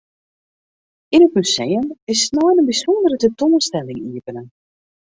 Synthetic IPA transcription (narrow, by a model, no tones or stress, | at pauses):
inət̚mysejənɪstnɔjnənbisɔndəɾətətoːənstɛlɪŋiəpənən